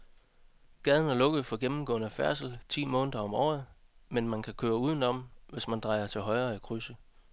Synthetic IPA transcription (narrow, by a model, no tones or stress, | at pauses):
ɡ̥ɛð̞ˠən̩æɐlɔ̽ɡ̥ð̩ˠfɒ̽ɡ̥emm̩ɡ̥ɔ̰̽ːnəfæɐsl̩t͡sʰḭːmɔ̽ːnəðˠɐɒ̽mɒ̰ːð̩ˠmenmænkʰækʰøːɐuːð̞ˠn̩ɒ̽m̰ʋe̝smænd̥ʁɑ̈ɪɐt͡sʰe̝lɦɒ̽ɪɐːækʰʁysə